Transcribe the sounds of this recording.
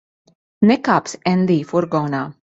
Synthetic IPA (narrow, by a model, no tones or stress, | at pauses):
nɛkapsɛ̃nlifɔɾɡɔna